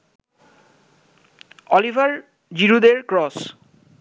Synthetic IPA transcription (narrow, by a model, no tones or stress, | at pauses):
ɔlibʱaɹ | d͡ʑiɾud̪eɹkɹɔs